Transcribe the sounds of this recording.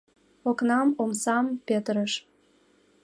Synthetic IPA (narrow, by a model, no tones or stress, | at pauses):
oknɑmomsɑmpet̪ɾəʃ